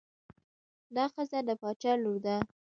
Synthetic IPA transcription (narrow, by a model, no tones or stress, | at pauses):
d̪ɑxəzad̪əpɑt͡ʃɑloɾd̪a